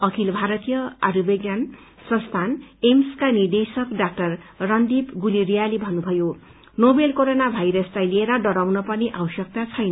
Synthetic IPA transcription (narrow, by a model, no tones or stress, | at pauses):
ʌkʰilbʱaɾʌt̪ijʌaɾubeɡjan | sʌ̃nst̪ʰanemskanid̪esʌkɖak̚ʈʌrːʌnd̪ipɡuliɾijalibʱʌnːubʱʌjo | nobelkoɾonabʱajɾʌslajlieɾʌɖʌɾawnʌpʌniʔawsʌk̚t̪at͡sʰʌjnʌ